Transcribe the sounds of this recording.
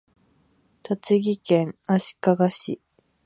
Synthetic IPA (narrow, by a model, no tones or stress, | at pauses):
t̪at͡sɨɡʲikẽ̞ŋaɕi̥kaɡaɕḭ